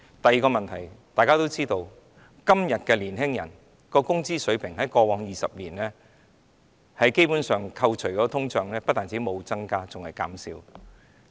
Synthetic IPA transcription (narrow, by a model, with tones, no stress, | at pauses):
t̪ɐ˨jiː˨˧kɔː˧mɐ˨nt̪ʰɐ˨˩jt̪aː˨jkaː˥t̪o˥wt͡siː˥t̪o˧w | kɐ˥mjɐ˨t̚kɛː˧liː˨˩nɦɪ˥ŋjɐ̰˨˩n | kɔː˧kʊ˥ŋt͡siː˥sɵ˨˥ɥpʰɪ˨˩ŋɦɐ˨˥jkɔː˧wɔː˨˧ŋjiː˨sɐ̰˨p̚liː˨˩nlɛː˥ | hɐ˨˥jke˥jpu˨˥nsœː˨ŋkʰɐ˧wt͡ʃʰɵ˨˩kɔː˧˥˧t̪ʰʊ˥ŋt͡ʃœː˨˩ŋlɛː˥pɐ˥t̚t̪aː˨nt͡siː˨˥mo˨˧wt͡sɐ˥ŋkaː˥t͡sʊ˨ŋhɐ˨jka̰ː˨˥msiː˨˧w